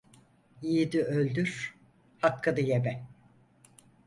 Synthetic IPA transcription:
ijid̪iølʲd̪yɾ̥ | hakʰːɯd̪ɯjebɛ

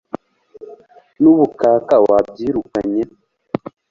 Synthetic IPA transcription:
nuβukaːkawab̚ɟiːɾukaɲe

